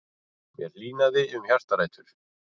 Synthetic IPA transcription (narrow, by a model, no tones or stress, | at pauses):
mjɛɾliːnaðɪʏmçjar̥t̪aɾaːjt̪ʏɾ̥